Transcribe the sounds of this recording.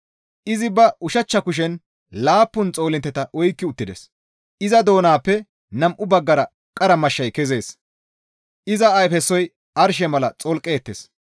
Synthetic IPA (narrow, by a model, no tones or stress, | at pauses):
ʔɪzɪbɐʔʊʃɐt͡ʃːɐkʊʃ̬ɛn | laːpːʊnt͡sʼo̞ːlɪnt̪ːɛt̪ɐʔɔjkːɪʊt̪ːɪd̪ɛ̰s | ʔɪzɐd̪o̞ːnaːpːɛ | nɐmʔʊbɐɡːɐɾɐ | kʼɐɾɐmɐʃːɐjkɛze̞ːs | ʔɪzɐːjfɛsːɔj | ʔɐɾʃ̬ɛmɐlɐt͡sʼɔlkʼːe̞ːt̪ːes